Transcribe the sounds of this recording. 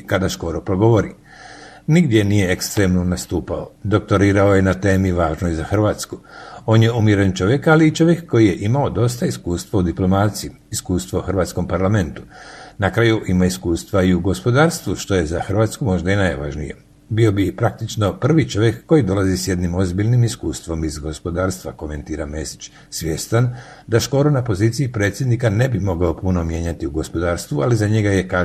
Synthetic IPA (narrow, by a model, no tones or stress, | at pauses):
kad̪aʃko̞ɾopɾo̞ɡo̞ʋo̞ɾi | niɡd̪je̞nije̞ekst̪ɾe̞mnonast̪uːpaod̪o̞k̚t̪o̞ɾiːɾaoje̞nat̪e̞ːmiʋaːʒnojzaxr̩ʋaːt̪sku̥o̞ːnje̞umjiɾent͡ʃo̞ʋje̞kaliːt͡ʃo̞ʋje̞kːo̞jije̞ʔimao̞d̪o̞st̪aiskuːst̪ʋaud̪iplo̞maːt̪siji | iskuːst̪ʋouxr̩ʋaːt̪sko̞mpaɾlame̞nt̪u̥nakɾajuʔimaiskuːst̪ʋaiuɡo̞spo̞d̪aːɾst̪ʋuʃt̪o̞je̞zaxr̩ʋaːt̪skumo̞ʒd̪ainajʋa̰ʒnḭjḛ | bio̞bipɾak̚t̪it͡ʃno̞pr̩ʋit͡ʃo̞ʋjekːo̞jid̪o̞lˠazisjed̪nimo̞zbiʎʲnimiskuːst̪ʋo̞mizɡo̞spo̞d̪aːɾst̪ʋako̞me̞nt̪iːɾame̞si̥t͡ʃ | sʋʲje̞st̪an | d̪aʃko̞ɾunapo̞ziːt̪siipɾe̞t̪sjed̪nikane̞bimo̞ɡaopuno̞mje̞ɲat̪iuɡo̞spo̞d̪aːɾst̪ʋualizaɲe̞ɡaje̞kaː